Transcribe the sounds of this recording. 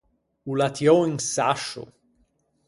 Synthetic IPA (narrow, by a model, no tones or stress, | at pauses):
ulat̪jɔiŋsa̰ʃʊ̰